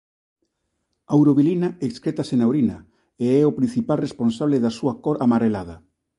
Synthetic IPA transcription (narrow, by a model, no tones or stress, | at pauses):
awɾoβilinaekskɾet̪asenawɾinɐ | eɛopɾin̟θipalresponsaβ̞leðasuakoɾamaɾelað̞ɐ